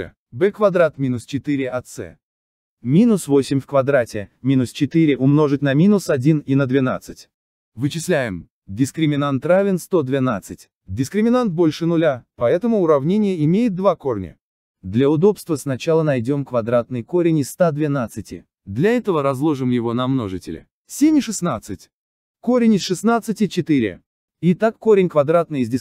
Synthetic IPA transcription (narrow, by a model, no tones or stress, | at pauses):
bɛkvɐd̪ɾat̪mʲinʊst͡ɕɪt̪ɨɾʲɪɐt̪sɛ̰ | mʲinʊsvo̞sʲɪmʲfkvɐd̪ɾatʲɪmʲinʊst͡ɕɪt̪ɨɾʲɪʔʊmno̞ʐɨtʲnɐmʲinʊsɐdʲininəd̪vʲɪna̰t̪sɨtʲ | vɨt͡ɕɪslʲæjɪ̰m | dʲɪskɾʲɪmʲɪnant̪ravʲɪnst̪o̞d̪vʲɪnat̪sɨtʲ | dʲɪskɾʲɪmʲɪnant̪̚bo̞lʲʂɨnʊlʲapɐɛt̪əmʊːɾɐvnʲenʲɪjəɪmʲejɪt̪̚d̪vako̞rnʲə̰ | d̪lʲɐʊd̪o̞pst̪vəsnɐt͡ɕalˠənɐjdʲo̞mkvɐd̪ɾat̪nɨjko̞ɾʲɪnʲɪst̪ad̪vʲɪnat̪sɨtʲɪ̰ | d̪lʲɐɛt̪əvəɾɐzlˠo̞ʐɨmjɪvo̞nɐmnoʐɨtʲɪ̰lʲɪ̰ | sʲenʲɪʂɨsnat̪sɨtʲ | ko̞ɾʲɪnʲɪsʂɨsnat̪sɨtʲɪt͡ɕɪt̪iɾʲɪ̰ | ɪt̪akːoɾʲɪnʲkvɐd̪ɾat̪̚nɨjɪzʲdʲɪ